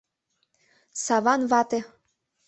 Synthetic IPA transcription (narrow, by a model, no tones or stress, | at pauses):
sɑβɑnβɑt̪e